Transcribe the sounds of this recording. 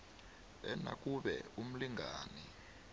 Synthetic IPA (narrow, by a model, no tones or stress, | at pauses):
ɛna̰k̬ʼuɓɛum̩liŋʱaːni